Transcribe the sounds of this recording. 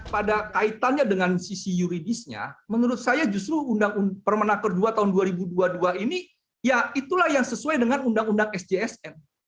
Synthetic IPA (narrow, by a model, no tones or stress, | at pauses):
padakait̪anɲadəŋansisijuɾidisɲa̰mənuɾʊt̪̚sajad͡ʒust̪ɾuːndaŋunpərmənakərduat̪aɦʊnduaɾibuduaduaini | jait̪ulahjaŋsəsuajdəŋanundaŋundaŋɛsd͡ʒeɛsɛn